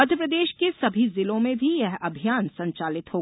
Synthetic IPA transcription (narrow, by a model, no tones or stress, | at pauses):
ɐd̪ʱjəpɾəd̪eːʃkesɐbʱizɪlõmẽbʱijɛɦɐbʱijaːnsɐ̃ɲt͡ʃaːlɪt̪hoː